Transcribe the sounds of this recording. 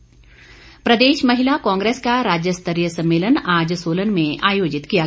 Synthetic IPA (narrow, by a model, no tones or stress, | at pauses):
pɾɐd̪eːʃmɐɦɪlakɔ̃ːŋɡɾeːskaɾaːd͡ʒjəst̪ʰəɾjəsɐ̃mːeːlənaːd͡ʒsoːlənmẽʔaːjoːd͡ʒɪt̪kija